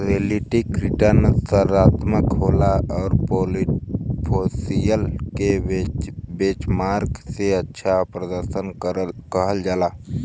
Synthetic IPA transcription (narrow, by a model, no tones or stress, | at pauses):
ɾeːliʈikɾiʈənsəɾaːt̪məkɦoːlaɔːɾpo | pʰosijəlke | beːt͡ʃmaːɾkseətːʃʰapɾəd̪əɾʃənkəɦəld͡ʒaːlaː